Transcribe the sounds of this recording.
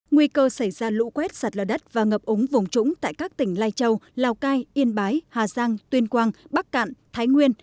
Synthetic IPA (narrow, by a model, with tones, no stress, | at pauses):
ŋwi˧kəː˧sa˧˩jzaː˧lṵ˧˥kwɛ˦˥t̚saː˨˩t̚ləː˨˩ɗə˦˥t̚vaː˨˩ŋəː˨˩p̚ʔʊ˨˦ŋ͡mvʊ˨˩ŋ͡mt͡ɕʊ˧˥ŋ͡mt̪a̰ː˧˨jkaː˦˥k̚t̪ï˧˩ŋ̟laː˧jt͡ɕə˧wlaː˨˩wkaː˧jʔi˧ənɓaː˨˦jhaː˨˩zaː˧ŋt̪wi˧ənkwaː˧ŋɓa˦˥k̚ka̰˧˨nt̪ʰaː˨˦jŋwi˧ən